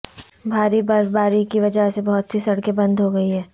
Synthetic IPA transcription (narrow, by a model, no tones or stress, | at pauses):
bʱaːɾibɐɾbaːɾikiʋɐd͡ʒəɦsebɐɦʊt̪ːʰisɐɽkebɐ̃nd̪ʱɦoɡɐiɦɛː